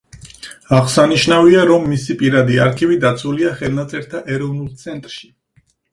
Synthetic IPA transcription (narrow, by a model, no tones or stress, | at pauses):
aʁsaniʃnaviaɾɔmːisipʼiɾad̪iaɾkʰivid̪at̪sʰuliaχɛlˠnat̪sʼɛɾt̪ʰaʔɛɾɔvnulˠt̪sʰɛnt̪ʼɾʃi̥